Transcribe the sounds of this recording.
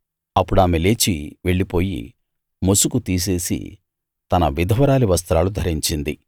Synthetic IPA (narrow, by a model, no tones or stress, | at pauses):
ɐpːuɽaːmɛleːt͡ʃiʋe̞ɭːipo̞ːjḭ | mosukut̪iːs̬e̞ːsḭ | t̪ɐnɐʋid̪ʱɐʋɐɾaːliʋɐs̬t̪ɾaːlud̪ʱɐɾiɲt͡ʃind̪i